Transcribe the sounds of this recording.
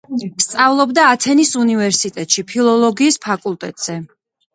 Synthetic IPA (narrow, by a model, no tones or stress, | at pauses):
st̪sʼavlˠɔbd̪aːt̪ʰɛnisunivɛɾsit̪ʼɛt̪ʼʃipʰilˠɔlˠɔɡiːspʰakʼulˠt̪ʼɛt̪ʼz̥ɛ